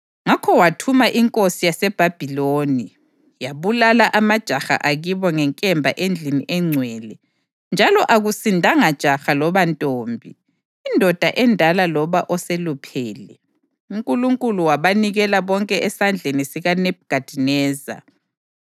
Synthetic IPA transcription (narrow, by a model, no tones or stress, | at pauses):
ŋakʰɔwatʰumaʔiŋkʼosijasɛb̥ʱab̥ʱiloːni | jaβulalaʔamad̥ʒ̥ʱaxa̰ʔaɣiβɔŋɛŋkʼɛmbʱaʔend͡ɮʱinḭʔɛŋ͡ǀʱwɛːlɛ | nd͡ʒʱalɔʔaɣusindʱaŋad̥ʒ̥ʱaxalɔβantʼoːmbʱi | indʱɔd̥ʱaʔɛndʱalalɔβaʔɔselupʰɛːlɛ | uŋkʼuluŋkʼuluwaβaniɣɛlaβɔŋkʼɛʔɛsand͡ɮʱenisiɣanɛb̚ɡ̥ʱad̥ʱinɛːza̰